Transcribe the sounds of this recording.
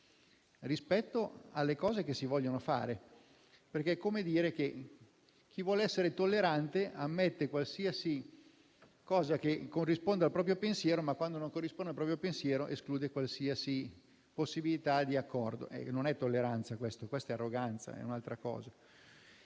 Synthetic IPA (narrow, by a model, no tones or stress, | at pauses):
rispɛt̪ːoalːekɔːzekesivɔʎːonofa̰ːɾe | perkɛɛkːomed̪iːɾek̟e | k̟ivwɔːleɛsːeɾet̪olːeɾant̪eamːet̪ːekwalsiasi | kɔːzakekːorːispond̪ealpɾɔːp̬ɾjopensjɛːɾomakːwand̪onõŋkorːispond̪alpɾɔːpɾjopensjɛːɾoʔeskluːd̪ekwalsiasi | posːibilit̪ad̪iakːɔrd̪o̰ʔɛ̰nonɛt̪ːolːeɾant̪sakwest̪okwest̪ɛarːoɡant̪sa̰ɛ̰unalt̪ɾakɔ̰ːza